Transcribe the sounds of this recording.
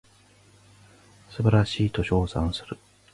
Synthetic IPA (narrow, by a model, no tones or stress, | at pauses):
sɨbaɾaɕiːt̪o̞ɕo̞ːsã̰ɰ̃sɨɾɯ̟